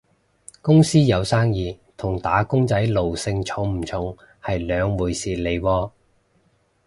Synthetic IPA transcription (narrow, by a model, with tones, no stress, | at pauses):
kʊ˥ŋsiː˥jɐ˨˧wsaː˥ŋjiː˨˧ | t̪ʰʊ˨˩ŋt̪aː˨˥kʊ˥ŋt͡sɐ˨˥jlo˨wsɪ˧ŋt͡ʃʰʊ˨˥ŋm̩˨˩t͡sʰʊ˨˥ŋ | hɐ˨jlœː˨˧ŋwuː˨˩jsiː˨˩le˨˧jwɔː˧